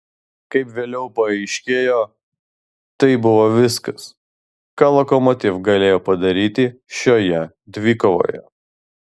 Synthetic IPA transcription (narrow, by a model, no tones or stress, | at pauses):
kɐɪpʋʲeːlʲɛʊpɐɐɪʃʲkʲeːjoː | t̪ɐɪbʊʋoːʋʲɪskɐs | kɑːlˠokɔmɔt̪ʲɪfɡɐlʲeːjoːpɐd̪ɐɾʲiːt̪ʲɪʃʲoːjɛ | d̪ʲʋʲiːkoʋo̰ːjɛ̰